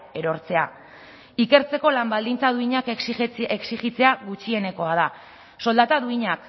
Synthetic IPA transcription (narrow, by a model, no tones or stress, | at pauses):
e̞ɾo̞ɾt͡se̞a | ike̞ɾt͡se̞ko̞lambald̪int͡saðuiɲakeksiɣit͡se̞aɣut͡ʃie̞ne̞ko̞að̞a | so̞ld̪at̪aðuiɲak